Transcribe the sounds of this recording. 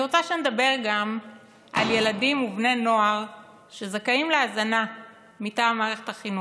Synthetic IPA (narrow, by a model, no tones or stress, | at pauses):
ot͡saʃened̪abe̞ʁɡam | ʔa̰lje̞ladimuvne̞no̞aʁ | ʃezekajimleazana | mitaːmaːʁe̞χe̞t̪aχinu